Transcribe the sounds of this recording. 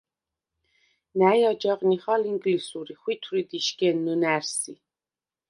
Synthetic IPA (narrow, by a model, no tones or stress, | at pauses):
næjɑd͡ʒɑqniχɑliŋɡlisuɾiχwit̪ʰuɾid̪iʃkɛnːunæɾsi